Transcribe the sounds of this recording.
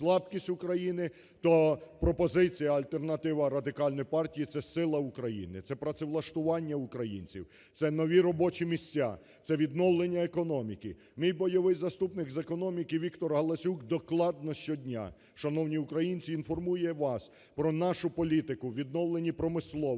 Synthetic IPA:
slˠɑbkʲisʲtʲʊkɾɐjinɪ | t̪ɔpɾɔpɔzɪt͡sʲijɐɐlʲt̪ernɐt̪ɪʋɐɾɐd̪ɪkɑlʲnɔjipɑrtʲijit̪sɛsɪlˠɐʊkɾɐjḭnɪt̪sɛpɾɐt̪sɪʋlˠɐʃt̪ʊʋɑnʲːɐʊkɾɐjḭnʲt͡sʲḭw | t̪sɛnɔʋʲiɾɔbɔt͡ʃimʲisʲt͡sʲːa̰ | t̪sɛʋʲid̪nɔwlˠenʲːɐekɔnɔmʲikɪ | mijbɔjɔʋɪjzɐst̪upnɪkzekɔnɔmʲikɪʋʲikt̪ɔrɦɐlˠɐsʲukd̪ɔklˠɑd̪̚nɔʃt͡ʃɔdʲnʲa̰ | ʃɐnɔwnʲiukɾɐjinʲt͡sʲiːnfɔrmujɛʋɑs | pɾɔnɑʃʊpɔlʲit̪ɪkʊʋʲid̪nɔwlˠenʲipɾɔmɪslˠɔ

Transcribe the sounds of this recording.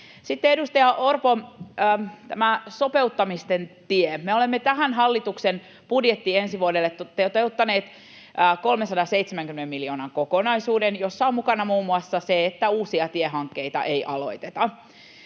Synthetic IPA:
sit̪ːeedust̪ɑjɑʔorpoəːt̪æmæso̞peut̪ːɑmist̪ent̪iemeolemːet̪æɦænɦɑlːit̪uksen | pudjet̪ːiensiʋuodelːet̪ːot̪ːet̪eut̪ːɑneːt̪ː | ko̞lmesɑdɑseit̪semæŋkymenemːiljoːnɑŋkokonɑjsuːdenjosːɑommukɑnɑmuːmːuɑsːɑseet̪ːæuːsiɑt̪ieɦɑŋkːejt̪ɑ̰ʔejʔɑlo̞̰it̪et̪ɑ

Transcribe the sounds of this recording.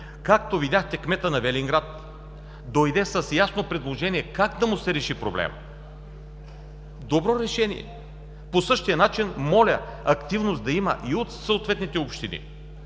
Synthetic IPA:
kak̚t̪ovidʲjaxt̪ɛkmɛt̪ənɐvɛliŋɡɾat̪ | d̪ojd̪ɛsɐsjasnopɾɛd̪lˠoʒɛniɛkaɡd̪ɐmʊsɛɾɛʃipɾoblɛ̰m | d̪obɾɔɾɛʃɛnḭjɛ̰ | posɤʃt̪ijənat͡ʃinmɔlʲɐɐkt̪ivnosd̪ɐimɐ̰ʔiot̪sɐot̪vɛt̪nit̪ɛopʃt̪inḭ

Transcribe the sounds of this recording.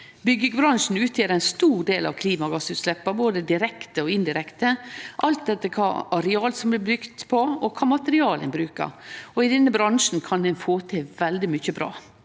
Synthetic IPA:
bʏɡəɡbɾɑŋʂn̩ʉːt̪ʰjeːɾæɪnst̪uːɖeːlɑ̰ʋkʰliːmɑɡɑsʉːt̪slɛpːəɾboːd̪əd̪ɪɾɛkt̪əɔɪnd̪ɪɾɛkt̪əʔɑlt̪̚d̪ɛt̪ːəkʰɑ̰ːɑɾɛɑːlsɔmblɪbʏkt̪pʰɔɔkʰɑːmɑt̪əɾɪɑːlɛ̰nbɾʉːkə̰ɾɔɪd̪ɛnːəbɾɑŋʂn̩kʰɑnd̪ɛnfoːt̪ʰɛːʋɛld̪ɪmʏçəbɾɑ̰ː

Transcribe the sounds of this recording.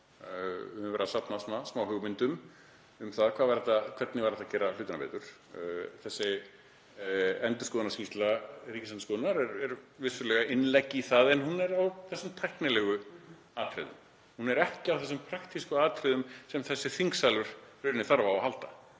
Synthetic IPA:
vɛːɾasapnasmasmaːwhʏɣmɪnt̪ʏm | ʏmθaðkʰvaːðvaɾɛt̪ːakʰvɛt̪nɪvaɾɛt̪acɛːɾalʏːt̪ɪnapɛ̰t̪ʏɾ̥ | θɛsːɪ | ɛnt̪ʏ̥skɔːðnaɾscist̪lariːcɪsanskɔːðnaɾɛɾɛɾvɪsʏɾlɛɣaɪnlɛcːɪːθaðɛnhunɛɾawθɛsːʏmt̪ʰajhknɪlɛɣʏ | aːt̪ʰɾɪ̰ðʏ̰m | hunɛɾɛhcɪawθɛs̬ʏmpʰɾakt̪iskʏaːt̪ʰɾɪðʏmsɛmθɛsːɪθiŋksalʏɾ̥ɾʏɾnɪθaɾvaahalt̪a

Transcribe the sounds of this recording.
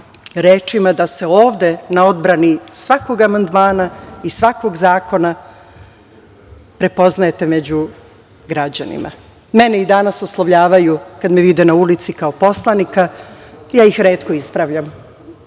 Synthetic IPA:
ɾeːt͡ʃimad̪ase̞o̞ːʋd̪e̞nao̞d̪bɾanisʋako̞ɡamand̪maːnaisʋako̞ɡzaːko̞na | pɾe̞po̞znajet̪e̞me̞d͡ʑu | ɡɾad͡ʑanḭma̰ | me̞neid̪anasoslˠaʋʎaːʋajukad̪meʋid̪enaulit̪sikao̞po̞slˠanikajaːjixɾe̞ːt̪ko̞ispɾaʋʎam

